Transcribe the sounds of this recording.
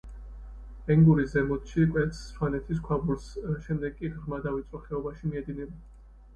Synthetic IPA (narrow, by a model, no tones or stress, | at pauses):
ɛŋɡuɾiszɛmɔt̪ʃikʼwɛt̪ssʰwanɛt̪ʰis̬kʰwabuɾsʃɛmd̪ɛɡkʼiʁɾmad̪avit̪sʼwɔχɛɔbaʃimiɛd̪inɛba